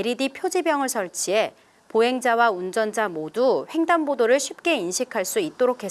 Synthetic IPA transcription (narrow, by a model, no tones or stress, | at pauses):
eɾidipʰjod͡ʑibjʌŋɯɭsʰʌɭt͡ɕʰie̞ | poɦe̞ŋd͡ʑawaund͡ʑʌnd͡ʑamoduɸe̞ŋdanbodoɾɯɭɕʰip̚k͈e̞inɕʰikʰaɭs͈uit̚t͈oɾokʰe